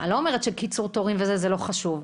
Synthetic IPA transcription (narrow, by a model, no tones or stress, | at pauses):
alo̞ome̞ʁetʃekit͡suʁt̪oʁimvezezelo̞χaʃuv